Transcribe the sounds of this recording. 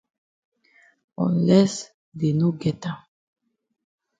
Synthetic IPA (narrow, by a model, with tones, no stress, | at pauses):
ɔ̰̃˨nlɛ˦s | d̪e˨nu˦ɡɛt̪a˨